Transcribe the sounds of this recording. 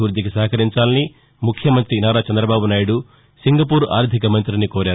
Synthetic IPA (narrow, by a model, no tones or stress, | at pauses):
uːɾd̪ikisɐːɐkɐɾiɲt͡ʃaːlɐni | mukʰjɐmɐnt̪ɾinaːɾaːt͡ʃɛnd̪ɾɐbaːbunaːjɽu | siŋɡɐp̬uːɾa̰ːɾd̪ʱikɐmɐnt̪ɾinikoːɾaːɾ